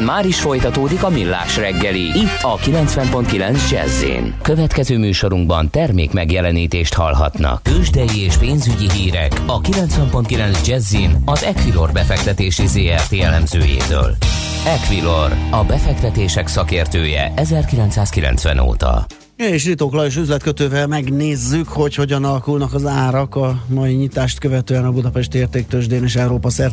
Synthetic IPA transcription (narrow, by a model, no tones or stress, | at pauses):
nmaːɾiʃfo̞jt̪ɒt̪oːd̪ikɒmilːa̰ːʃrɛɡːɛliit̪ːɒkilɛnt̪sʋɛmpo̞nt̪̚kilɛnzd͡ʒɛ̰zːḭːnkøvɛt̪kɛzøːmyːʃo̞ɾuŋɡ̚bɒnt̪ɛrmeːkmɛɡjɛlɛniːt̪eːʃt̪hɒ̰lɦɒ̰t̪nɒ̰kːøʒd̪ɛjieːʃpeːnzyɟiɦiːɾɛ̰kɒkilɛnt̪sʋɛmpo̞nt̪kilɛnzd͡ʒɛzːinɒzɛkʋilo̞rbɛfɛk̚t̪ɛt̪eːʃizeːɛrt̪eːjɛlɛmzø̰ːjḛːt̪ø̰ːl | ɛkʋilorɒbɛfɛkt̪ɛt̪eːʃɛksɒkeːrt̪øːjɛ̰ʔɛzɛrkilɛnt̪saːskilɛ̰nt̪sʋɛ̰no̰ːt̪ɒ̰ | ɛeːʃrit̪oklɒeːʃ̬yzlɛt̪̚køt̪øːvɛlmɛɡneːzːykho̞cho̞ɟɒnɒlɒkulnɒkɒzaːɾɒkɒmɒjiɲit̪aːʃt̪kø̞vɛt̪øːɛnɒbud̪ɒpɛʃt̪ieːrt̪eːk̚t̪øʒd̪eːneːʃɛuɾoːpɒsɛr